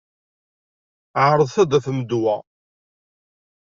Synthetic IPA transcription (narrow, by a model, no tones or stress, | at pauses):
ʕɾˤəðˤθæd̪æθməd̪wæ